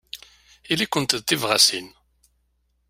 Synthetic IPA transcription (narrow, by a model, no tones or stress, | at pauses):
ilikʷːənt̪əðt̪ːivʁasin